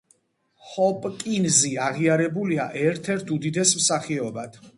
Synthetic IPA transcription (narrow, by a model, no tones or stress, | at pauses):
hɔpʼkʼinziaʁiaɾɛbuliaʔɛɾt̪ʰɛɾt̪ʰud̪id̪ɛsmsaχiɔbad̪̥